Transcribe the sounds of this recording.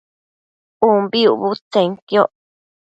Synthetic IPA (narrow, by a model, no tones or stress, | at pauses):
umbiuβut͡seŋkjo